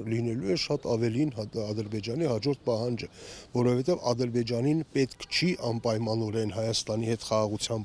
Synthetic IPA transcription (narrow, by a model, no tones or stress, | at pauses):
linɛlujɛʃɑt̪ɑvɛlinɑd̪əɾbɛd͡ʒɑnihɑd͡ʒɔɾt̪̚pɑɦɑnd͡ʒəvɔɾɔvɛt̪ɛvɑ̰d̪əɾbɛd͡ʒɑninpɛt̪kʰt͡ʃʰiʔɑnpɑjmɑnɔɾɛnɦɑjɑst̪ɑnihɛt̪χɑʁɑʁut͡sʰjɑmb